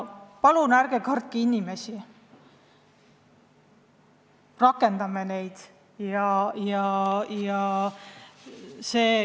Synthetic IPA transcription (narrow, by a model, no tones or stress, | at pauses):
pɑlunæɾɡ̥e̞kɑrt̪̚kiinʲime̞si | rɑkːe̞nd̪̥ɑmene̞jd̪̥ | jɑjɑjɑ | se̞ː